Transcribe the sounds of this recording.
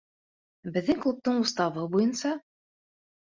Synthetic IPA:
bɘ̆ðːɘŋklˠup̚t̪ɤɴust̪ɑvɤbujɤnsɑ

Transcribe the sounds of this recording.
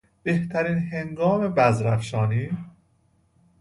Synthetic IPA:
b̥e̞ht̪ʰæɾiːnɦe̞ŋɡɒːme̞bæzɾæfʃɒːniː

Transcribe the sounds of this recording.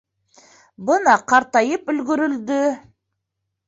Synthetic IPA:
bənɑqʰɑɾt̪ɑjəpɵlɡɪɾɪld̪ɪ

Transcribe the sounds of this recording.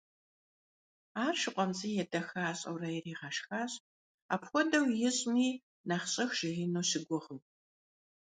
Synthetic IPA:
aːrʂɨqʷʼɔmt͡sʼiːjɛdɐxɐaːɕʼɐ̰wrɐjɪriːʁɐʂxaːɕ | a̰ːpxʷɔdɐwjɪɕʼmiː | naχɕʼɨxʒ̥ɪʁinoːɕɪɡʷʊʁɨw

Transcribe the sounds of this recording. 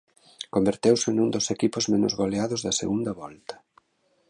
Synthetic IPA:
kombeɾt̪ewsɪnund̪osekipʊzmenʊ̰zβaleaðʊzðɐsḛɣund̪ɐβɔlt̪ɐ̥

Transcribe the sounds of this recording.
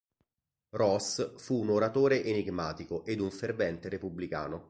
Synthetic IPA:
rɔsfuːnoɾat̪oːɾeʔeniɡmaːt̪ikoʔed̪uɱfervɛnt̪eɾepublika̰ːno

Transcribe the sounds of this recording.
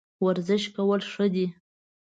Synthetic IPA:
waɾzɪʃkawəlʂəd̪i

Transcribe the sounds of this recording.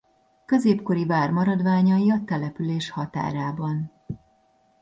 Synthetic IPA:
kø̞zeːpko̞ɾivaːrmɒɾɒd̪vaːɲɒiɒt̪ɛlɛpyleːʃhɒt̪a̰ːɾaːbɒn

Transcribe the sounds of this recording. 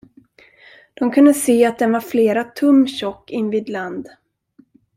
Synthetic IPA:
d̪̥ɔmkʰɵnd̪əseːat̪̚d̪ɛnvaɾfleːɾat̪ʰɵmːɕɔkːɪnːviːd̪land̪

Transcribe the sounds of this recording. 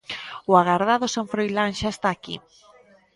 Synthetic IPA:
ʊaɣaɾðaðʊsaɱfɾojlaŋʃaest̪aːkḭ

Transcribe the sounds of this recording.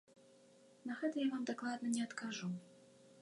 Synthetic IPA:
nɐɣɛt̪ɐjavamd̪aklˠad̪nɐnʲɛɐt̪kaʐu

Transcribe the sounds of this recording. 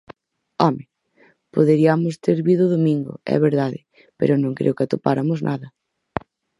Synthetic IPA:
ɔmɪ | poðeɾiɐmʊst̪eɾβiðʊðomĩŋɡʊ̰ɛ̰βeɾðaðɪ̰ | pḛɾʊnõŋkɾḛʊkɪat̪opaɾɐmʊznʔaðɐ

